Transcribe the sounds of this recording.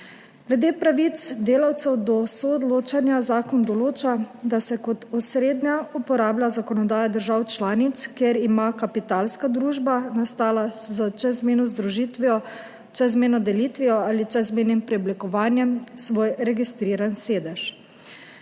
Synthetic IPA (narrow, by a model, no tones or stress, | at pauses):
ɡ̥lɛd̪eːpɾaʋit̪sd̪eːlawt̪sɛwd̪ɔsɔːd̪loːt͡ʃanjazaːkɔnd̪ɔloːt͡ʃad̪asɛkɔt̪ɔsɾeːd̪nʲaupɔɾaːblʲazakɔnɔd̪aːjad̪əɾʒaːwt͡ʃlaːnit̪skjeɾimakapit̪aːlskad̪ɾuːʒbanast̪aːlazat͡ʃɛzmeːnɔzd̪ɾuʒiːt̪ʋiɔ | t͡ʃɛzmeːnɔd̪ɛliːt̪ʋiɔaːlit͡ʃɛzmeːnimpɾɛɔblikɔʋaːnjɛmsʋoːjɾɛɡist̪ɾiːɾanseːd̪ɛʃ